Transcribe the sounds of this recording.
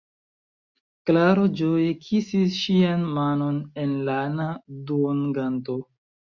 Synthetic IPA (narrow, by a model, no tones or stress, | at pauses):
klaɾod͡ʒojekʰisisʃianmano̞ne̞nlanadunɡanto